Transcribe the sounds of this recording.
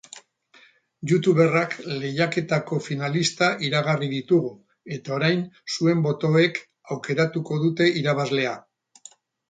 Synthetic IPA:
ʝut̪uβe̞rakle̞jake̞t̪ako̞finalist̪aʔiɾaɣariðit̪uɣu | e̞t̪ao̞ɾajnsue̞mbo̞t̪o̞e̞k | awke̞ɾat̪uko̞ðut̪e̞ʔiɾaβ̞azle̞a

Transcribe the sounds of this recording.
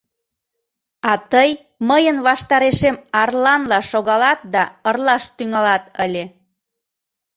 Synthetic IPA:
ɑt̪əj | məjənβɑʃt̪ɑɾeʃemɑrlɑnlɑʃoɣɑlɑt̪̚d̪ɑərlɑʃt̪yŋɑlɑt̪əlʲe

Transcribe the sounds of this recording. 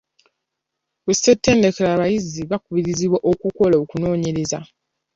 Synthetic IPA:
kuse̞tːe̞ːndekelaːβajiziβakuβiɾiziβwaʔokuko̞laokuno̞ːɲe̞ɾeza

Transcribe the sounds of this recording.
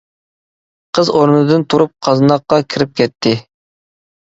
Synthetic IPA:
qʰəzoɾnɨd̪ɨnt̪ʰuɾup̚qʰɑznɑqːɑkʲʰiɾɪp̚kʲɛt̪ʰːɪ

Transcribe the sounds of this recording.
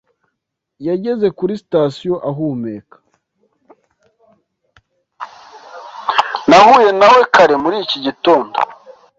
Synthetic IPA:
jaɟe̞ze̞kuɾisi̥tasijo̞ʔaɦuːmeːkḁ | nahuːje̞nawe̞kaɾe̞muɾiciɟito̞ːndo̰

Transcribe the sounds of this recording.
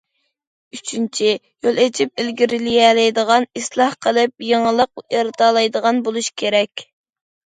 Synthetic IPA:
yt͡ʃʰynt͡ʃʰi | jolˠet͡ʃʰip̚elɡʲiɾɪlijɛlɛjd̪əʁɑnislˠɑhqʰəlˠɪp̚jeŋəlˠəq̚eɾd̪ɑːlˠɑjd̪əʁɑnbolˠuʃkʲʰeɾɛkʲ

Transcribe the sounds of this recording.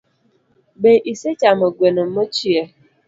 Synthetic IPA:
beʔiset͡ʃamoɡʷenʊm̩mʊt͡ʃie

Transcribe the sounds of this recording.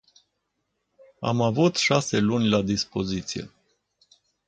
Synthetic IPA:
a̰mavut̪ʃase̞lunʲlad̪ispo̞zit̪sijḛ

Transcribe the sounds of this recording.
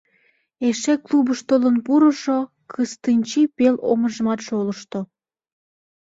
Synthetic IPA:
eʃeklubəʃt̪olənpuɾəʃo | kʰəst̪ɨnʲt͡ɕipelo̰məʒəmɑt̪ʃoləʃt̪o

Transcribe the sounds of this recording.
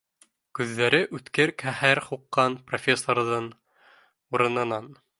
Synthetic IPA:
kʉðːæɾɘʔʉt̪kɘɾkæhæɾχuqːɑnprofʲesːorðɤn | uɾɤ̆nɤ̆nɑn

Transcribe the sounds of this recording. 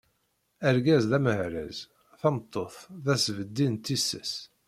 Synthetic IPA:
æɾɡæzðæməhɾæ̰z | θæmt̪ˤːoθðæsvəd̪ːint̪ːisːəs

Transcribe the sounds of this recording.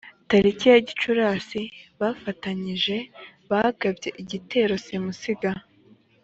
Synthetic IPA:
taɾicijaɟit͡ʃuɾaːsiβafataɲiʒe̞βahɡabɟe̞ʔiɟite̞ːɾo̞simusiɡa

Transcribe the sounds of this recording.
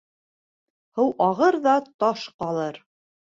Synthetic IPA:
hɤwʔɑʁɤɾðɑt̪ɑʃqɑlˠɤɾ

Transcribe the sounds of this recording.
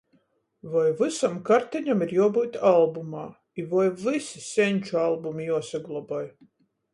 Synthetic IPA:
vajvɨsamkaɾt̪ɛɲamiɾjuɔbuːt̪alˠbumaː | ivajvɨsisʲɛnʲt͡ʃualˠbumijuɔsaɡlˠɔbɔj

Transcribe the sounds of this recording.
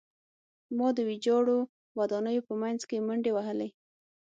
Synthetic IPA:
mɑd̪əwid͡ʒɑɽo | wad̪ɑnəjopəmajnzkeməɳɖewaɦəle

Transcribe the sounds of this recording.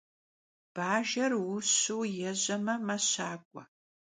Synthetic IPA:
b̥aːʒɐrwʊɕuwjɛʑɐmɐmɐɕaːkʷʼɔ

